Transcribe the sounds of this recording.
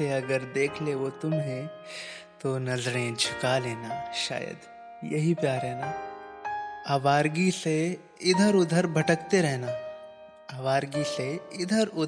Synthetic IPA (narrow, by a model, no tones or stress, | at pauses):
eɐɡəɾd̪eːkʰleʋot̪ʊmɦɛ̃ | t̪onɐzɽ̃ẽd͡ʒʱɪkaleːnaʃa̰ːjə̰d̪ | jɐ̰ɦipjaːɾɛɦnaː | aʋaːɾɡise | ɪd̪ʱəɾʊd̪ʱəɾbʱɐʈəkt̪eɾɛɦnaː | aːʋaːɾɡiseɪd̪ʱəɾʊ